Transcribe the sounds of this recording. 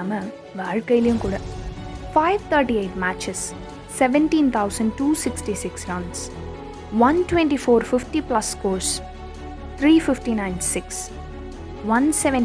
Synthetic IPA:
amɐ | ʋaːɻkɐjlɐjũmkuːɽafaɪʋt̪ʰəɾʈieɪʈmæːt͡ʃɪsː | ɛʋɛ̃ɳʈĩːnt̪ʰaʊsə̃ɳɖ̚ʈuːsɪksʈisɪksɾɐ̃ɳɖs | ʋɐ̃nʈwɛ̃ɳʈifoːɾfɪfʈiplɐskoːɾs | t̪ʰɾiːfɪfʈinãɪ̃nsɪks | ʋɐ̃nsɛʋɛ̃

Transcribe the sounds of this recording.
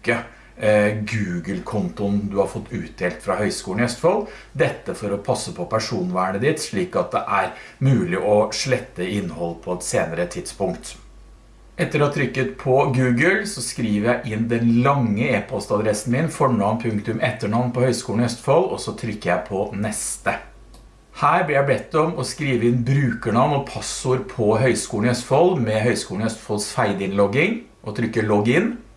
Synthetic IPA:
kə | ɡʉːɡəlkʰʊnt̪ʊnd̪ʉhɑɾfɔt̪ːʉːt̪̚d̪eːlt̪fɾɑhœʏskuːlnœst̪fɔld̪ɛt̪ːəfɔɾɔpʰɑsːəpʰɔpʰæʂuːnʋæːɳəd̪ɪt̪ʂɭiːkɑt̪̚d̪ɛʔæɾmʉːlɪʔɔʂɭɛt̪ːəɪnːhɔlːpʰɔɛt̪seːnəɾət̪ʰɪd̪spʊŋkt̪ | ɛt̪ːəɾɔt̪ʰɾʏkːət̪pʰɔɡʉːɡəlsɔskɾiːʋəɾjæɪʔɪnd̪ɛnlɑŋːəeːpʰɔst̪ɑd̪ɾɛsn̩mɪnfɔɳɑnpʰʉŋkt̪ʉmʔɛt̪ːəɳɑʋnpɔhœʏskuːlnœst̪fɔlɔsɔt̪ʰɾʏkːəjæɪpʰɔnɛst̪ə | hæːɾblɪɾjæɪbɛt̪ːɔmɔskɾiːʋəɪnbɾʉːkəɳɑʋnɔpʰɑsʊɾpʰɔɦœʏskuːlnœst̪fɔlmɛɦœʏskuːln̩œst̪fɔlsfæɪd̪əɪnlɔɡɪŋ | ʔɔt̪ʰɾʏkːəɭɔɡɪnː

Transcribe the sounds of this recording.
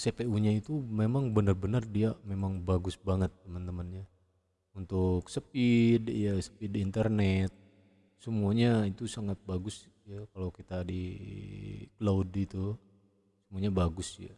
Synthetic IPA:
sepeuɲait̪umemaŋbənərbənərdiamemaŋbaɡʊsbaŋət̪ːəmənt̪əmənɲa | unt̪ʊk̚səpidjasə̥pidiːnt̪ərnɛt̪̚ | səmuaɲait̪usaŋat̪̚baɡʊs | jakalawkit̪adi | kladit̪u | səmuaɲabaɡʊsja̰

